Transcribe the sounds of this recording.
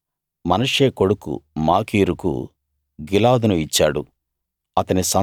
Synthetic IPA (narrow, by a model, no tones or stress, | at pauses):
mɐnɐʂeːko̞ɽukṵmaːkiːɾukṵ | ɡilaːd̪unuit͡ʃːaːɽṵ | ɐt̪ɐnisɐ